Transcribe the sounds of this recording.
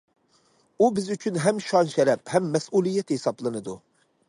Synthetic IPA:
ubɪzyt͡ʃʰynɦɛmʃɑnʃɛɾɛphɛmːɛsulˠijɛt̪hesɑblˠɨnɨd̪u

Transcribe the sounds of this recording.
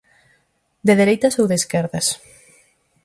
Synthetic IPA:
d̪eðeɾejt̪ɐsowðeskɛɾðɐs

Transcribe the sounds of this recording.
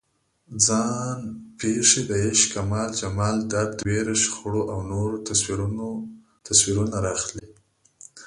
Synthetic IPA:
d͡zɑnpʰeʂed̪əeʃkamɑld͡ʒamɑld̪ad̪d̪weɾʃxuɽoʔawnoɾoɾ | t̪aswiɾunaɾɑxli

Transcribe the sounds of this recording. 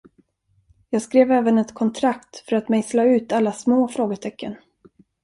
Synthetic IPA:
jɑːɡskɾeːvɛːvənɛt̪kʰɔnt̪ʰɾakt̪fœɾat̪mɛjslɑːʉ̟ːt̪alːasmoːfɾoːɡəʈʰɛkʰːən

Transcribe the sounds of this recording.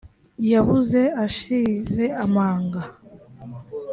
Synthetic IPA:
jaβuze̞aʃiːze̞amaːŋɡa

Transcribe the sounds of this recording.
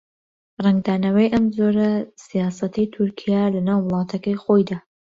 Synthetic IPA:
rɛŋɡd̪aːnɐwɐjʔɐmzoɾɐsijɑːsɐt̪ʰijt̪ʰuɾkʰijaːlɐnaːwːəlˠɑːt̪ʰɐkɐjxojd̪aː

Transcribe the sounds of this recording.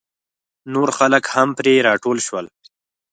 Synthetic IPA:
noɾxaləkhampɾeɾɑʈolʃwəl

